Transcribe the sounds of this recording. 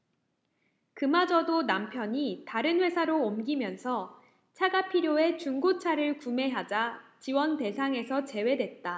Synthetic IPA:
kɯmad͡ʑʌdonampʰjʌɲitaɾɯnɸwe̞sʰaɾoːmɡimjʌnsʰʌ | t͡ɕʰaɡapʰiɾjoe̞t͡ɕuŋɡot͡ɕʰaɾɯɭkume̞ɦad͡ʑat͡ɕiwʌnte̞sʰaŋe̞sʰʌt͡ɕe̞we̞dwe̞t̚t͈a

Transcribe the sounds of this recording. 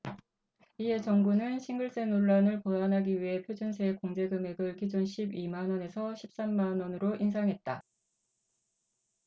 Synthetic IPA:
ie̞t͡ɕʌŋɡunɯnɕʰiŋɡɯɭs͈e̞noɭːanɯɭpoanɦaɡiɥiɦe̞pʰjod͡ʑunsʰe̞koŋd͡ʑe̞ɡɯme̞ɡɯɭkid͡ʑunɕʰibimanwʌne̞sʰʌɕʰip̚s͈amːanʌnɯɾoʔins̬ʰaŋɦe̞t̚t͈a

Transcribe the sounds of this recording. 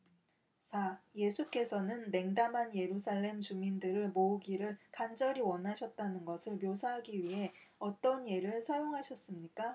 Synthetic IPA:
t͡ɕaje̞sʰuk͈e̞sʰʌnɯnːe̞ŋdamɦanje̞ɾusʰaɭːe̞mt͡ɕumindɯɾɯɭmouɡiɾɯɭkand͡ʑʌɾiwʌnɦaɕʰʌt̚t͈anɯnɡʌsʰɯɭmjosʰaɦaɡiɥiɦe̞ʌt͈ʌnje̞ɾɯɭsʰʌjoŋɦaɕʰʌs͈ɯmɲik͈a

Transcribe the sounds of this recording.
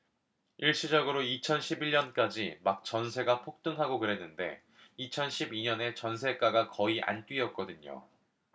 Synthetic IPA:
iɭɕ͈ʰid͡ʑʌɡɯɾoit͡ɕʰʌnɕʰibiʎɲʌnk͈ad͡ʑimak̚t͡ɕ͈ʌnsʰe̞ɡapʰok̚t͈ɯŋɦaɡokɯɾe̞nːɯnde̞̰ | it͡ɕʰʌnɕʰibiɲʌne̞t͡ɕʌnsʰe̞k͈aɡakʌiʔa̰nt͈ɥiʌt̚k͈ʌdɯɲo̰

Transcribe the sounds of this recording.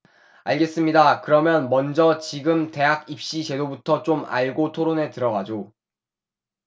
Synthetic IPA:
aɭɡe̞s͈ɯmɲidakɯɾʌmjʌnmʌnd͡ʑʌt͡ɕiɡɯmte̞ɦakip̚ɕ͈it͡ɕe̞dobutʰʌt͡ɕoma̰ɭɡotʰoɾone̞tɯɾʌɡad͡ʑo

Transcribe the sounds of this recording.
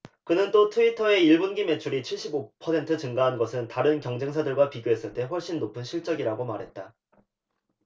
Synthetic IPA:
kɯnɯnt͈otʰuitʰʌe̞iɭbunɡime̞t͡ɕʰuɾit͡ɕʰiɭɕ͈ibopʰʌsʰe̞ntʰɯt͡ɕɯŋɡaɦanɡʌsʰɯntaɾɯnkjʌŋd͡ʑe̞ŋsʰadɯɭɡwapiɡjoɦe̞s͈ɯɭt͈e̞ɸwʌɭɕ͈inːopʰɯnɕʰiɭt͡ɕ͈ʌɡiɾaɡomaɾɦe̞t̚t͈a

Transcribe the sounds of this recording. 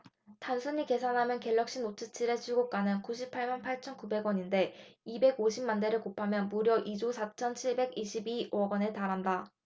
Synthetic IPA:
tansʰuɲike̞sʰanɦamjʌnke̞ʎːʌk̚ɕ͈inot͡ɕʰɯt͡ɕʰiɾe̞t͡ɕʰuɭɡok͈anɯnkuɕʰipʰaɭmanpʰaɭt͡ɕʰʌnkube̞ɡwʌɲinde̞ibe̞ɡoɕʰimːande̞ɾɯɭkopʰamjʌnmuɾjʌʔid͡ʑusʰat͡ɕʰʌnt͡ɕʰiɭbe̞ɡiɕʰibiʌɡwʌne̞taɾɦanda

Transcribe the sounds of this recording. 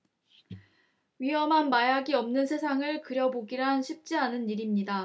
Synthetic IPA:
ɥiɦʌmɦanmajaɡiʌmnɯnsʰe̞sʰaŋɯɭkɯɾjʌboɡiɾanɕʰip̚t͡ɕ͈ianɯnːiɾimɲida

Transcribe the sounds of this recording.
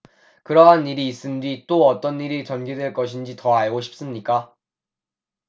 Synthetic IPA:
kɯɾʌɦaniɾiːs͈ɯndwit͈oʌt͈ʌnːiɾit͡ɕʌnɡidwe̞ɭk͈ʌɕʰind͡ʑitʌaɭɡoɕʰi̥p̚s͈ɯmɲik͈a

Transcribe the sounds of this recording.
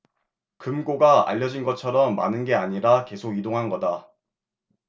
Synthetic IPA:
kɯmɡoɡaa̰ʎːʌd͡ʑinɡʌt͡ɕʰʌɾʌmːa̰nɯnɡe̞aɲiɾake̞sʰoɡidoŋɦanɡʌda

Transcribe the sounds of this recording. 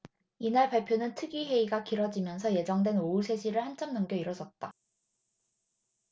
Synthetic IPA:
inaɭpaɭpʰjonɯntʰɯɡiɦe̞iɡakiɾʌd͡ʑimjʌnsʰʌje̞d͡ʑʌŋdwe̞nousʰe̞ɕʰiɾɯɭhant͡ɕ͈ʰʌmnʌŋɡjʌiɾʌd͡ʑʌt̚t͈a

